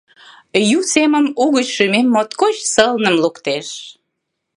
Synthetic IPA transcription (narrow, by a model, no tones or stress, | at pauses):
jut͡seməmuɣət͡ɕʃymemːot̪kot͡ɕsəlnəmlukt̪eʃ